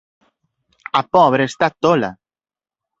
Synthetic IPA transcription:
apɔβ̞ɾeest̪at̪ola̰

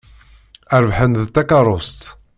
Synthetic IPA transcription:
æɾvħənðt̪ːækɑɾˤʊst̪

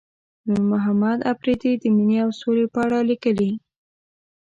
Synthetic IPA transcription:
nuɾmʊɦamad̪apɾed̪id̪əminiawsolepəaɽalikəli

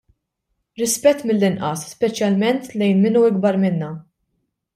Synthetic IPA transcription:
ɾɪspɛt̪ːmɪlːɪnʔɐsːpɛt͡ʃjɐlmɛnt̪lɛjnmɪnuɪɡ̚bɐɾmɪnːɐ

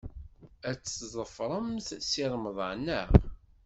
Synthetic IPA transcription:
æt͡sːzˤəfɾˤəmθsiɾˤməðˤə̰ʕnæ

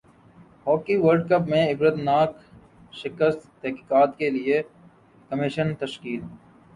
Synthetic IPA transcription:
ɦɔːkiʋəɾɖkɐpmẽɪbɾət̪naːk | ʃɪkəst̪t̪ɛɦki̥ːkaːt̪kelie | kəmɪʃənt̪ɐʃkiːl

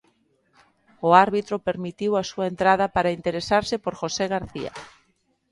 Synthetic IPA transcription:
ʊaɾβit̪ɾopeɾmit̪iwasuaent̪ɾað̞ɐpaɾaint̪eɾesaɾsɪpoɾxoseɣaɾθia̰

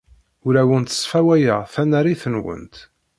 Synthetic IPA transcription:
ʊɾæwənt̪ə̥sˤfæwæjəʁθænæɾiθənwə̰nt̪

